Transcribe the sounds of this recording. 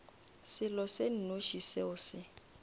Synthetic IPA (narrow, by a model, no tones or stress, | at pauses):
sɪlɔsen̩noʃiseʊːsɪ